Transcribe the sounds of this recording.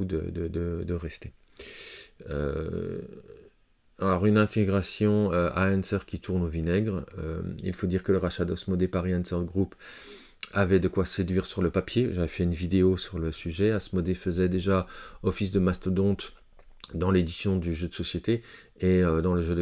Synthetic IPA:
ud̪ə̰d̪əd̪əd̪əʁɛst̪e | ø̰ | alɔʁynɛ̃t̪ʰeɡʁasjɔ̃øʔaɛnsɛʁkʲit̪ʰuʁnovinɛɡʁø̰ḭlfod̪iʁkələʁaʃad̪ɔsmɔd̪epaʁiɛnsɛʁd̪əɡʁup | avɛd̪əkwased̪ɥiʁsyʁləpapjeʒavɛfɛynvid̪eosyʁləsyʒɛasmɔd̪efəzɛd̪eʒaɔfis̬d̪əmast̪əd̪ɔ̃t̪ | d̪ɑ̃led̪isjɔ̃d̪yʒød̪əsɔsjet̪e | eød̪ɑ̃ləʒød̪ə

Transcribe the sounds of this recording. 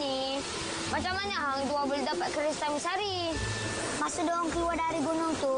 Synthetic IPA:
ni | mat͡ʃamːanaɦaŋit̪uabuldapat̪̚kəɾist̪amisaɾi | masudɔɔŋkəluadaɾiɡunʊŋt̪u

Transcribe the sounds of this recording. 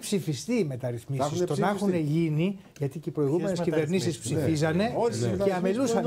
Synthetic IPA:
psifist̪iːme̞t̪ɐɾiθmisisst̪o̞nɐxune̞ʝini | ʝɐt̪iceipɾo̞iɣume̞nescive̞ɾnisispsifizɐne̞ceɐmelusɐn

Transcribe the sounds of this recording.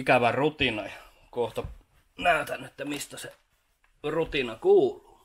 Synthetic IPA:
ikæʋærut̪inɑjɑ | koht̪o | næˑyt̪ænːet̪ːæmist̪æse | rut̪inɑkuːlu̥ː

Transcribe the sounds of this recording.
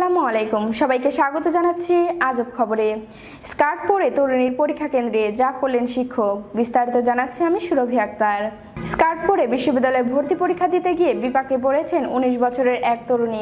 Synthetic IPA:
alamalejkumʃɔbajkeʃaɡot̪od͡ʑanatːɕʰiad͡ʑopkʰɔboɾe | skaɾʈpoɾet̪oɾuniɾpoɾikʰːakend̪ɾed͡ʑakoɾlenʃikʰːokbist̪aɾit̪od͡ʑanatːɕʰiamiʃuɾobʱiak̚t̪aɾ | skaɾʈ̚poɾebiʃːobid̪ːalɔeɾbʱoɾt̪ipoɾikʰːad̪it̪eɡiebipakepoɾet͡ɕʰenuniʃbɔt͡ɕʰoɾeɾʔɛk̚t̪oɾuni

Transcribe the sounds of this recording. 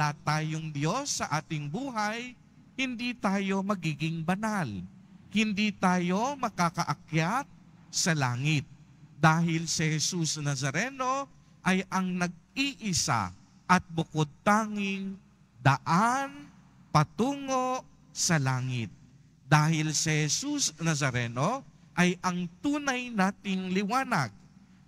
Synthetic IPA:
lat̪aːjoŋd̪jo̞sːɐʔaːt̪ɪŋbuːɦɐj | hɪnd̪iːt̪aːjo̞mɐɡiːɡɪŋbɐnalhɪnd̪it̪aːjo̞mɐkakɐʔɐkjat̪̚ | sɐlaːŋɪt̪̚d̪aːɦɪlsɪhɛsusnɐsɐɾɛno̞ | ʔɐjʔɐŋnɐɡ̚iʔɪsa̰ | ʔɐt̪̚bʊkod̪̚t̪aːŋɪŋ | d̪ɐʔan | pɐt̪uːŋoʔ | sɐlaːŋɪt̪̚ | d̪aːhɪlsɐhɛsusnɐsɐɾɛno | ʔɐjʔɐŋt̪uːnɐjnaːt̪ɪŋlɪwaːnɐ̰ɡ̚

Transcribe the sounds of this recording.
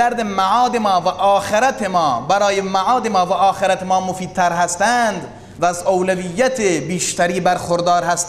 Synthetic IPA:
æɾd̪emaʕɑːd̪emɒːvæʔɒːxeɾæt̪ʰemɒːbæɾɒːjemaʕɒːd̪emɒːvæʔɒːxeɾæt̪emɒːmofiːd̪̚t̪ʰæɾɦæst̪ænd̪ | væːzowlævijːæt̪ʰebiːʃt̪æɾiːbæɾxoɾd̪ɑːɾhæst̪

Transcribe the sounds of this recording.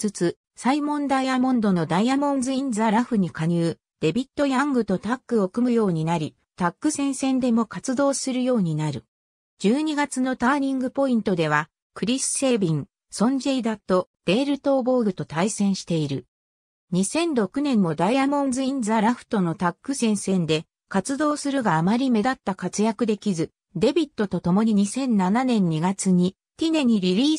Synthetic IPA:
t͡sɨt͡sɨ | saimõ̞nd̪aiamõ̞nd̪o̞no̞d̪aiamõ̞nzɨĩnd͡zaɾaɸɯ̟ɲ̟ikaɲ̟ɯː | d̪̥e̞bʲit̪ːo̞jãŋɡɯ̟t̪o̞t̪akːɯ̟o̞kɯ̟mɯ̟jo̞ːɲ̟inaɾʲi | t̪akːɯ̟sẽ̞ɰ̃sẽ̞nd̪e̞mo̞kat͡sɨd̪o̞ːsɨɾɯ̟jo̞ːɲ̟inaɾɯ̟̰ | d͡ʑɨːɲ̟iɡat͡sɨno̞t̪aːɲʲĩŋɡɯ̟po̞ĩnt̪o̞d̪e̞β̞a | kɯ̟ɾʲisɨ̥se̞ːbʲĩŋ | sõ̞ɲ̟d͡ʑe̞id̪at̪o̞d̪̥e̞ːɾɯ̟t̪o̞ːbo̞ːɡɯ̟t̪o̞t̪aisẽ̞ɰ̃ɕi̥t̪e̞iɾɯ̟ | ɲ̟isẽ̞nɾo̞kɯ̟nẽ̞mːo̞d̪aijamõ̞nzɨĩnd͡zaɾaɸɯ̟̥t̪o̞no̞t̪akːɯ̟sẽ̞ɰ̃sẽ̞nd̪e̞ | kat͡sɨd̪o̞ːsɨɾɯ̟ɡaːmaɾʲime̞d̪at̪ːakat͡sɨjakɯ̟d̪e̞kʲizɨ | d̪e̞bʲit̪ːo̞t̪o̞t̪o̞mo̞ɲ̟iɲ̟isẽ̞nnːananẽ̞ɲ̟ːiɡat͡sɨɲ̟i | t̪ʲine̞ɲ̟iɾʲiɾʲiː

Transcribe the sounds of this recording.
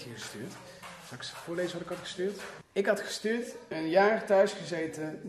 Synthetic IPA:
iχəstyːɹt | sɑksfʊːɹlejzəɑtɪkɑtχə̥styːɹt | ɪkɦɑtχə̥styːɹtənjaːrtœɥsχəzejtə

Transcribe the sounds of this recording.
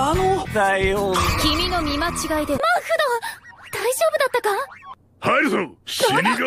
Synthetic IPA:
anod̪aioːkʲimʲino̞mʲimat͡ɕiɡaid̪emahɯd̪od̪̥aiʑo̞ːbɯ̟d̪at̪ːaka | haɾɯsoɕimʲiɡ

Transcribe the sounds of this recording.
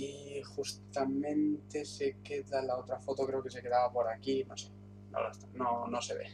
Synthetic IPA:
ixust̪amẽ̞nt̪e̞se̞ke̞ðalao̞t̪ɾafo̞t̪o̞kɾe̞oke̞s̬e̞ke̞ðaβapo̞ɾakino̰se̞̥ | no̰last̪ano̞no̞se̞βe̞̰

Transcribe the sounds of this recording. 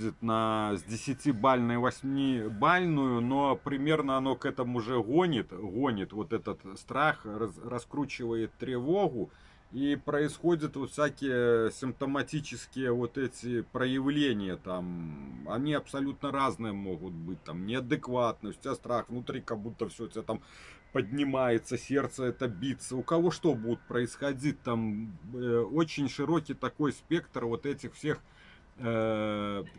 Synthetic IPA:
ɐt̪nɐzʲd͡zʲɪsʲɪt͡sʲibalʲnɐjvasʲmʲibalʲnujunopɾɨmʲernɐanokɛt̪ɐmuːʐɛɣonʲit̪ɣɔnʲit̪vɔt̪ɛt̪ɐt̪st̪ɾaxraskɾut͡ɕɪvəjɛt̪ːɾɨvoɣu | ipɾɐisxod͡zʲɐt̪vot̪wfsʲakʲijɛsʲɪmp̚t̪ɐmat͡sʲit͡ʃɪskʲijɐvot̪ɛt͡sʲipɾɐjɪwlʲenʲɪjɐt̪amɐnʲiɐpsɐlʲut̪nəɾaznɨjəmoɣʊt̪̚bɨt̚ʲt̪amnʲɪɐd̪ɨkvat̪̚nɨʊsʲtʲast̪ɾaxvnʊt̪ɾʲikɐɡbut̪ːəfsʲoɛt̪ət̪am | pədʲnʲɪmajɪt̪səsʲert̪səɛt̪əbʲit̪sːəʊkɐvoʂt̪obudʲɪt̪̚pɾəɪsxɐd͡zʲitʲt̪am | ot͡ɕɪnʲʂɨɾo̞kʲit̪ɐko̞jspʲekt̪rvo̞t̪ɛtʲɪxfsʲex

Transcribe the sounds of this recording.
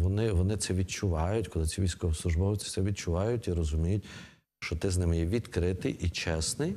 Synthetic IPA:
ʋɔnɪʋɔnɪt̪sɛʋʲid̪̚t͡ʃʊʋɑjʊtʲkɔlˠɪt͡sʲsʲiʋʲijsʲkɔʋɔslˠʊʒbɔʋt͡s̪ʲi̥sɛʋʲid̪t͡ʃʊʋɑjʊtʲiɾɔzʊmʲijʊt̚ʲ | ʃt͡ʃɔt̪ɪznɪmɪjɛʋʲid̪kɾɪt̪ɪjʔit͡ʃɛsnɪj

